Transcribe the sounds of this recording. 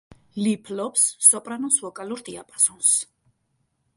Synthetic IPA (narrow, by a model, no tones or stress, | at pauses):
lipʰlɔpsːɔpʼɾanɔnsvɔkʼaluɾt̪ʼiapʼazɔns